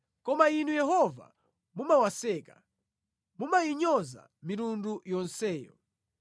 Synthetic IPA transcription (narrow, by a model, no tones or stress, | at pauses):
kɔmain̤ujɛɦɔva̰ | mumawasɛːkḁ | mumajiɲɔza̰ | miɾundujɔnsɛːjɔ̰